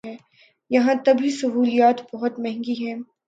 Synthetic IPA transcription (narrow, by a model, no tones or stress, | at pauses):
ɛː | jɐɦãt̪ɐbʱisɐɦuːlijaːt̪bɐɦʊt̪mɛ̃ɦŋɡiɦɛ̃ː